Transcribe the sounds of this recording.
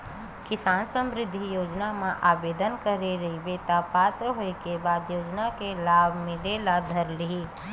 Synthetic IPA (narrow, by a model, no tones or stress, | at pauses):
kɪsaːnsə̃mɾɪd̪ʱːijoːd͡ʒnamãʔaːbeːd̪ənkəɾeɾɐibeːt̪apaːt̪ɾəɦoekebaːd̪joːd͡ʒnakelaːbʱmɪlelad̪ʱɐɾliɦiː